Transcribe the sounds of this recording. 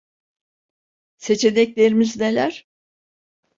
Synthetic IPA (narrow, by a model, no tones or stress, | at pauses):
se̞t͡ʃʰe̞nɛclʲe̞ɾimizne̞lʲæɾ̥